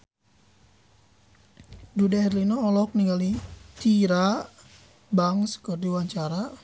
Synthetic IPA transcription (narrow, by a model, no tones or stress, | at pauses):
dudaɦɛrlinɔːlɔk̚niŋɡalit̪iɾa | baŋsə̥kɔrdiwaɲt͡ʃaɾa